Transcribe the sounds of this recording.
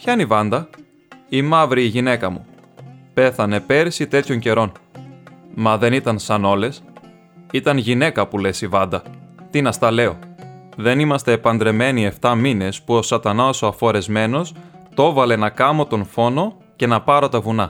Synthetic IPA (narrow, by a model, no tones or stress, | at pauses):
çɐnivɐnd̪ɐ | imɐvɾiːʝine̞kɐmṵ | pe̞θɐne̞pe̞ɾisit̪e̞t̪ço̞ɲce̞ɾo̞n | mɐðe̞nit̪ɐnsɐno̞le̞s | it̪ɐnʝine̞kɐpule̞sivɐnd̪ɐt̪inɐst̪ɐle̞o̞ðe̞nimɐst̪e̞ːpɐnd̪ɾe̞me̞nie̞ft̪ɐmine̞spuo̞sɐt̪ɐnɐsoɐfo̞ɾe̞zme̞no̞s | t̪o̞vɐle̞nɐkɐmo̞t̪o̞nfo̞no̞ | ce̞nɐpɐɾo̞t̪ɐvunɐ